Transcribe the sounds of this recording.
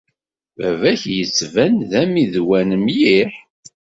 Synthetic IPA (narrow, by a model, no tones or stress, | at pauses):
vævæçjət͡sːvænðæmiðwænəmjiħ